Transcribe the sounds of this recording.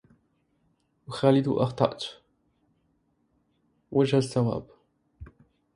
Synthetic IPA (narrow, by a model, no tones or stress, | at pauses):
wʊxaːlɪd̪ṵʔɑqt̪ˤɑ̰ʔt̪ | wʔad͡ʒhasːawa̰ːb